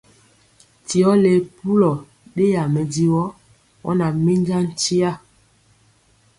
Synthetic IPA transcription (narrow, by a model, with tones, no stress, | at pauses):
ti˨ɔ˦le˨pu˦lɔ˨ | ɗe˦ja˨mɛ˨di˦wɔ˦ | wɔ̰˦na˨mi˦n˦d͡ʒa˦n̩˦ti˦a˦˨